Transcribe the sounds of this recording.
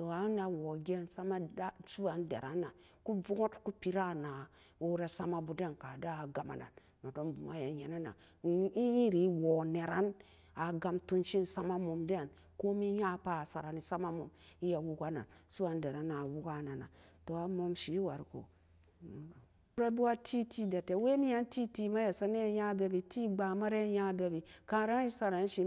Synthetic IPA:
to˨a˨˦na˨wo˨ɡe˦˨nsa˦ma˦da˦su˦wa˨ndḛ˨ɾa˦nːa˨ | ku˦vu˦ŋo˦tku˦pi˨ɾa˦na˨ | o˦ɾa˦sa˦ma˦bu˨de˦nka˨da˦a˨ɡa˨ma̰˨na̰˨n | ma˨do˦nbu˨ma˦ja˨ɲe˨na˦na̰˨˦ | i˦ji˦ɾi˨˦wo˨ne˨ɾa˦n | a˨ɡa˨mtu˦nʃi˦nsa˦ma˦mo˨mde˦˨n | ko˦mi˦ja˦pa˦˨sa˨ɾa˨ni˨sa˦ma˦mo̰˨mi˦ja˨wu˦ka˦na̰˨nsu˦a˨nde˨ɾa˨na˨wu˦ka˦˨na˨na˨to˨a˨mo˨mʃi˨˦wa˨ɾko̰˨˦ | ɾa˦bi˦wa˦tʰi˦tʰi˦da˨te˨˦we˦mi˦ja˦nti˦ti˦ma˦ja˨sa˦ne˦˨ja˦be˨˦bi˨ti˦ɡ͡ba˨ma˦ɾe˦ja˦be˨bi˨ka˨ɾa˦i˦sa˨ɾa˨n˦ʃi˦

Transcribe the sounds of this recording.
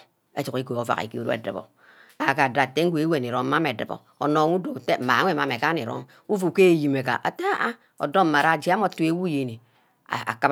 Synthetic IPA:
e˦t͡ʃu˨ki˦ko˨o˦va̰˨kḭ˨kḭ˦u˦ɾo˦ḛ˨dɨ̰˨bo̰˨ | a˨˦˨ka˨da˨te˦ŋ̩˦ɡʷe˦e˦we˨ni˨ɾo˨m˦ma˦me˨dɨ̰˨bo̰˨ | o̰˨no˨ŋu˦do˨kte˦m̩˨ma˨˦ŋʷ˦e˦˨a˨me˨ka˦ni˨ɾo̰˦ŋ | u˦vu˨ke˦˨ji˨me˨ka̰˨ʔa̰˨te˦a˦ʔa˦ | o̰˨do˦m̩˨ma˨ɾa˦˨d͡ʒi˦a˦m˦o˦˨tu˦e˦wu˦je˨ni˨ | a̰˨a̰˨ka˦

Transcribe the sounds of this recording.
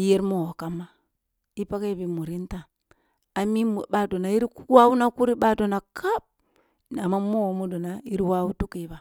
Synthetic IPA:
i˦je˦ɾmo˦˨o˨ka˨ma˦ | i˦pa˦ke˦bi˨mu˨ɾi˦ntaː˨ | mi˦m˨ba˨do˨na˨i˦ɾi˦kwa˦u˦na˦ku˦ɾi˦ba˦do˨na˨kʰa˦p̚ | na˨ma˦mo˦˨mu˦do˨na˨i˦ɾi˦wa˦wu˦tu˦ki˨˦βa˨

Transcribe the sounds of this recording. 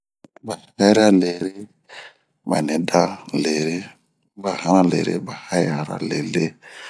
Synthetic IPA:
ba˨ha˦jɾa˦le˨ɾe˦ | ba̰˨nɛ˨da˦le˨ɾe˦ | ba˨hã˦ɾa˦lḛ˨ɾḛ˦ba˨ha˦ja˨ɾa̰˦le˨le˦

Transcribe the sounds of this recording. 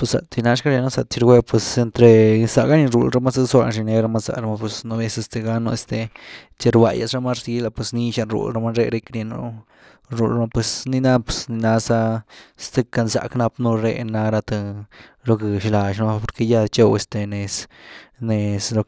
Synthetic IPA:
pwe˧sa̰˨t̪i˧na˦ʂka˦ɾje˧no˦sa˧˨t͡ʃi˧ɾɡʷe˦pwe˧se˧nt̪ɾe˧sa˧ɡa˦ni˧ɾu˧˨lɾa˦ma˦za˦swa̰˧nʃi˧ne˧ɾa˧ma˦za̰˧ɾa˧ma˧pwe˧sno˧be˧˦se˧st̪e˧ɡa˧no˧e˧st̪e˧ | t͡ʃe˧ɾba̰˧ja̰˧sɾa˧ma˦ɾzi˧˦la˧pwe˧sni˧˦ʃa˧nɾṵ˧˨lɾa˧ma˦ɾe˧ɾe˧kɾje˧no̰˦ | ɾu˧lma˧pwe˧sni˧na˦pe̥˧sni˧na˧sa˦˧st̪e˧ka˧nza̰˨kna˧pnu˧ɾḛ˧na˧ɾa˧t̪a˧lo˧ke˨ʃla˨ʃn˧˦a˦˧po˧ɾke˧ja˧t͡ʃo˧we˧st̪e˧ne˨sne˨slo˧

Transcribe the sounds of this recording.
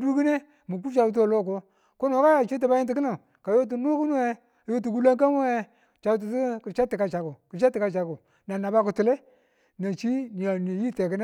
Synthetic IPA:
du˦ki˦ne˦ | mu˨ku˦t͡ʃa˨u˦t̬o˨lo˦˨k̬o˦ | ko˦no˨ka˦ja˨t͡ʃi˦t̬a˨ba˦ji˦nti˨˦ki˦na˨ | ka˨jo˦t̬u˨nu˦ku˦nu˦e˦˨ | jo˦t̬u˨ɡu˦la˦ŋka˦m˦e˦ | t͡ʃa˨˦t̬u˨ti˦kt͡ʃa˦tːi˨ka˨t͡ʃa˨ku˨ku˨t͡ʃa˦tːi˨ka˨t͡ʃa˨ku˨ | na˨na˨ba˦ku˨tu˨le˦ | na˨t͡ʃi˦n˨a˨ne˨ji˦te˨ki˦na˦

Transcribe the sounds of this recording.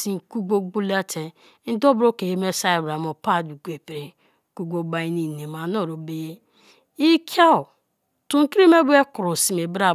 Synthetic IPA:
si˨ku˦ɡ͡bo˦ɡ͡bu˦la˦tʰe˨ | n̩˦do˦bɾo˦ke˨he˨me˦sa˦i˨bɾa˨mo˨pa˦˨du˨ɡʷe˨pi˨ɾe˨˦ | ku˦ɡ͡bo˦ba˨i˦ni˨ne˨ma˨no˦˨ɾo˨be˨je˦ | i˦kʰja˦o˨ | tu˨ŋ̩˦ki˦ɾi˦me˦bu˦e˦ku˨ɾo˨si˨me˨ba˨

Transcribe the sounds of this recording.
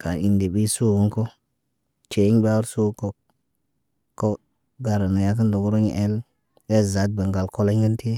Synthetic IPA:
ka˨i˨ndi˨bi˦su˦˨ɡu˦ŋko˦ | t͡ʃe˨i˦ŋ˦ba˦wɾsu˦ko˨ | kːo˦ | ɡa˨ɾa˨na˨ja˦kə˦ndo˨ɡu˦ɾo˦ɲ̰˨ʔe˦l | e˦za˨˦t̚be˨ŋɡa˨lko˦la˦ŋɡi˦nti˦

